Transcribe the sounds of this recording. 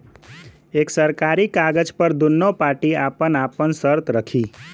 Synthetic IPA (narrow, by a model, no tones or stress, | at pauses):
eksəɾkaɾikaɡəd͡ʒpəɾd̪unːopaːɾʈiapənapənsəɾt̪ɾəkʰi